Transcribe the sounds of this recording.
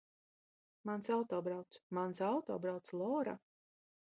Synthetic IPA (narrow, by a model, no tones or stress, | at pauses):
mansawt̪ɔːbɾawt̪smansawt̪ɔ̰ːbɾawt̪slˠɔːɾa̰